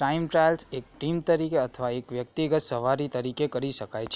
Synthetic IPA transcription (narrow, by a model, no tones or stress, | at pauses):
ɾaimʈɾalsek̚ʈimt̪əɾikeət̪ʰəʋaekʋjək̚t̪iɡət̪səʋaɾit̪əɾikekəɾiʃəkajt͡ʃʰe